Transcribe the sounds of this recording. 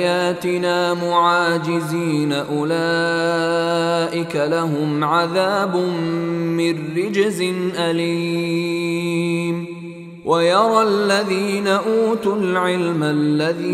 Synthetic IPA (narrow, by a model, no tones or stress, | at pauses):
jaːt̪ɪnaːmʊʕaːd͡ʒɪziːnaʔʊla | ʔɪkalaɦʊmʕaðaːbʊmːɪrːɪd͡ʒzɪnʔaliː | m | wʔajɑɾˤɑlːaðiːnaʔuːt̪ʊlʕɪlmalːaðiː